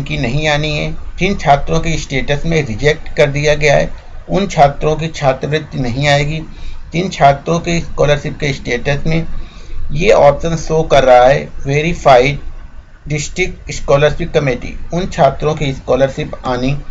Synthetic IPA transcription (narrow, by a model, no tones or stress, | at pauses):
kinɐɦĩaːniɦɛːt̪int͡ʃʰaːt̪ɾõkiɪsʈeːʈəsmẽɾɪd͡ʒɛk̚ʈkɐɾd̪ijaɡɐjaɦɛ̰ːʊnt͡ʃʰaːt̪ɾõk̬it͡ʃʰaːt̪ɾəʋɾɪd̪nɐɦĩaːeːɡit̪int͡ʃʰaːt̪ɾõkeɪskɔːləɾʃɪp̚keɪsʈeːʈəsmẽjeɔːpʃənsoːkɐɾːɐɦaɦɛːʋeːɾifʰaːɪɖ | ɖɪsʈɾɪkɪskɔːləɾsikkːɐmeːʈḭʊnt͡ʃʰaːt̪ɾõkiɪskɔːləɾʃɪpaːni